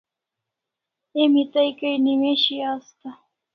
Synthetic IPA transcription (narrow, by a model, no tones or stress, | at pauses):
emit̪ajkajnimeʃiast̪a